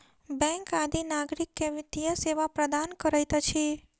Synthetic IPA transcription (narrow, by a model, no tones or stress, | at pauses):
bɛ̃ŋkad̪ʱinaɡɾikːeʋit̪ijəseʋapɾəd̪ankəɾajt̪ət͡ʃʰi